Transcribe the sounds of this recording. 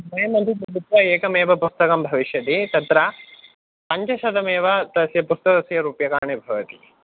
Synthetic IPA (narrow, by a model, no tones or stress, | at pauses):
mɐjɐmɐnt̪ipɾɐbʱut̪ʋɐeːkɐmeːʋɐpust̪ɐkɐmbʱɐʋiʃjɐt̪it̪ɐt̪ɾɐ | pɐɲt͡ʃɐʃɐd̪ʱɐmeːʋɐt̪ɐsjɐpust̪ɐkɐsjɐɾuːpjɐkaːɳebʱɐʋɐt̪i̥